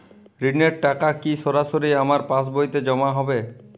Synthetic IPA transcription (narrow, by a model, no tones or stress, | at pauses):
ɾineɾʈakakiʃɔɾaʃoɾiamaɾpas̬bojt̪ed͡ʒɔmaɦɔbe